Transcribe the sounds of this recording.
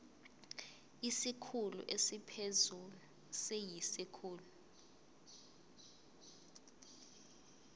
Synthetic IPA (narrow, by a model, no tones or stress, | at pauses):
isikʰulṵʔesipʰezulu | sejisikʰuːlu